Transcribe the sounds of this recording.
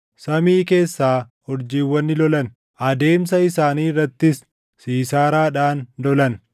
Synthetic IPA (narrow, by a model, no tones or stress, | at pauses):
sɐmiːke̞ːsːaː | hɔɾd͡ʒiːwːɐnːɪlɔlɐn | ʔɐd̪e̞ːmsɐɪsaːniːrːɐt̪ːɪsː | iːsaːɾaːᶑaːnlɔlɐn